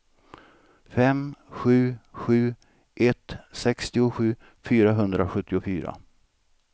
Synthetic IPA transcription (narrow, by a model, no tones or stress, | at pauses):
fɛmɧʉ̟ːɧʉ̟ː | ʔɛt̪sɛkst̪ɪʊɧʉ̟ː | fyːɾaɦɵnd̪ɾaɧɵt̪ːɪʊfyːɾa̰